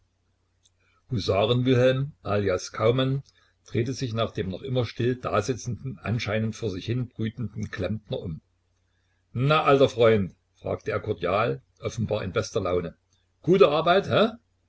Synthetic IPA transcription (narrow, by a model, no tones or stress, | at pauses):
huzaːʁənvɪlɦɛlmʔaːliaskʰaʊman | d̥ʁ̥eːtəzɪçnaːχd̥eːmnɔχʔɪmɐʃtɪld̥a̰ːzɪt͡sn̩dn̩ʔa̰nʃaɪnəntfoːɐzɪçhɪnb̥ʁyːtn̩dn̩kʰl̥ɛmtnɐʔʊm | naʔaltɐfʁ̥ɔʏnt | fʁ̥a̰ːk̚tʰəeːɐkʰɔɐdjaːlʔɔfn̩baːɐɪnbɛstɐlaʊnə | ɡ̥uːtəʔaɐbaɪthɛ